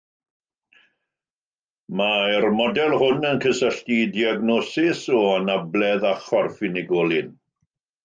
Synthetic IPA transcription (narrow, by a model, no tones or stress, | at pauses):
maɛrmɔdɛlˠhʊnənkʰəsəɬtidiaɡnɔsɪsɔanablɛðaχɔrfɪnɪɡɔlˠɪn